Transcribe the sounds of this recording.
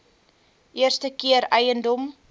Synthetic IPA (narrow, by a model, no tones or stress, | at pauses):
ʔiərstəkiəɾɛjəndɔm